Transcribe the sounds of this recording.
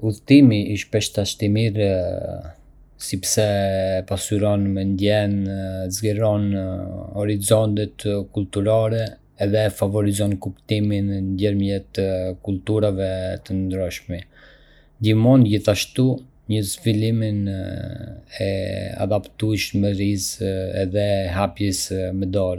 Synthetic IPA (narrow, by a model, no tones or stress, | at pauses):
uðt̪imiiʃpɛʃt̪aʃt̪imiɾ | sipsɛpasyɾɔnmɛnd̪jɛnzɡɛɾɔn | ɔɾizɔnt̪ɛt̪kult̪uɾaɾɛː | ðɛfavɔɾizɔnkupt̪imind̪jɛɾmjɛt̪əkult̪uɾavɛt̪ənd̪ɾɔʃmɛ | d̪imɔnd͡ʑiθaʃt̪u | ɲəzvilimin | ɛ̰a̰d̪apt̪uʃmɛɾizɛðɛɦapjɛsmɛd̪ɔɾ